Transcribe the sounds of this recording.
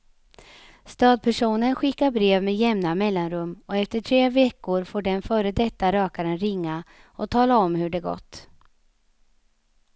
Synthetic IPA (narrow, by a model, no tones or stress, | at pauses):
st̪ɑːd̪̚pʰæʂuːnənɧɪkːaɾbɾeːvmejɛmnamɛlːanɾɵmːɔɛft̪əʈʰɾeːvɛkːʊɾfoːɖɛnfœːɾəd̪ɛt̪ːaɾœːkaɾənɾɪŋːa | ɔt̪ʰɑːlaɔmhɵɖɛɡɔ̰t̪ː